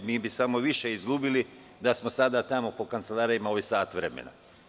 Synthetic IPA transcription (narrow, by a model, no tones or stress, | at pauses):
miːbisamo̞ʋiʃeizɡubili | d̪asmo̞sad̪at̪amo̞po̞kant̪selˠaːɾijimaoʋisaːt̪ʋɾemḛna̰